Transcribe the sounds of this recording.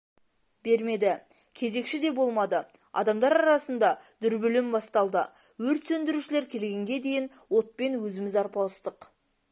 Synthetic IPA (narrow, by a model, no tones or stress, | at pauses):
be̞ɾme̞d̪ɪ | kʲʰe̞ze̞kʃɪd̪e̞bo̞lˠmɑd̪ə | ɑ̰d̪ɑmd̪ɑɾɑɾɑsənd̪ɑd̪̥ʏɾbɵlɪmbɑst̪ɑlˠd̪ə | wɵɾt̪sɵnd̪ɪɾuʃɪle̞ɾkʲʰe̞lɡʲe̞ŋɡʲe̞d̪e̞jɪn | wo̞t̪̚pe̞nwɵzɪmɪzɑɾpɑlˠəst̪əq